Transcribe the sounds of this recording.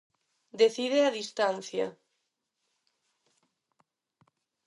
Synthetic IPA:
d̪eθiðeaðist̪anθja̰

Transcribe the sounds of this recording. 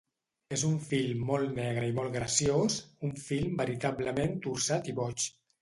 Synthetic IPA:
ezuɱfilˠːɔlˠt̪nɛɣɾəimɔlˠt̪ɣɾəsijosuɱfilˠmbəɾit̪abləment̪uɾsat̪iβɔt͡ʃ

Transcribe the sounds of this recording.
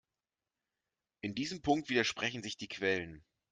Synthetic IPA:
ʔɪndiːzəmpʰʊŋk̚tv̥iːdɐʃpʁ̥ɛçn̩zɪçd̥iːkʰv̥ɛlən

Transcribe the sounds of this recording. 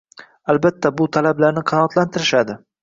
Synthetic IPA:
albat̪ːabʊt̪ʰalablaɾnɪqʰɑnɒːt̪lant̪ʰɪɾɪʃad̪ɪ

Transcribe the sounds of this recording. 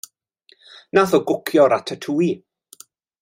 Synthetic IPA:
naθɔɡʊkʰjɔɾatʰətʰuːi

